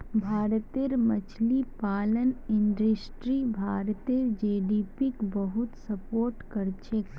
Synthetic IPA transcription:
bʱaːɾt̪eɾmət͡ʃʰlipaːlənɪɳɖɾəsʈɾibʱaːɾt̪eɾd͡ʒeːɖipikbəɦut̪səpoːɾʈkəɾt͡ʃʰek

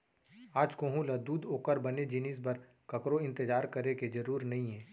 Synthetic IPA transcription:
aːd͡ʒkõːɦũlad̪uːd̪oːkəɾbɐned͡ʒɪnɪsbɐɾ | kɐkɾoɪ̃nt̪ɪd͡ʒaːɾkɐɾeked͡ʒɐɾuːɾnɐɦĩɦɛː

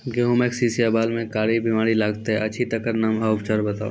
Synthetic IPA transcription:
ɡeɦõmẽksiːsiabaːlmẽkaːɾibimaːɾilaːɡt̪eɦɛɐːt͡ʃʰit̪ɐkəɾnaːmaʊpt͡ʃaɾbɐt̪a̰ːu

